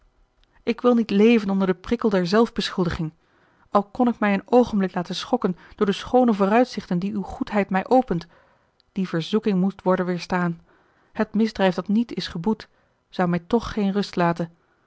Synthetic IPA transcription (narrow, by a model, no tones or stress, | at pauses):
ɪkʋɪlˠnitlejvənɔndəɹdəprɪkəlˠdɛɹzɛlˠvbəsχɵlˠdəχɪŋ | ʔɑlˠkɔnɪkmɛjənowχənblɪklaːtənsχɔkənd̥ʊːɹdəsχownəvʊːrœɥtsɪχtəndiywχutɦɛjtmɛjʔowpənt | d̥ivəɹzukɪŋmustʋɔɹdənʋɪːɹstaːn | hətmɪzdrɛjfdɑtnitɪsχəbut | z̥ɑwmɛjtɔχːejnrɵstlaːtən